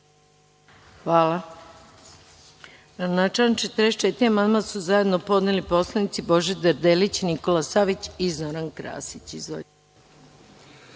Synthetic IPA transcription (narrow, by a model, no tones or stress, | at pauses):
xʋaːla | anat͡ʃat͡ʃet̪ɾeʃt͡ʃet̪iamand̪mansuzaje̞d̪no̞po̞d̪nelipo̞slˠanit̪sibo̞ʒed̪aɾd̪elit͡ɕniko̞lasaʋit͡ɕizoɾankɾa̰ːsit͡ɕizo̰